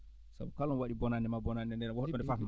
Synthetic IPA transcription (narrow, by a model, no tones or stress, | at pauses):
sa̰bukalɔnwaɗibɔnandɛmabɔnandɛndɛɾɛwɔhɔɗːɔndɛfam